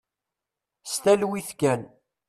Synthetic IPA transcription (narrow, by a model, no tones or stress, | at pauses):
st̪ælwiθkæn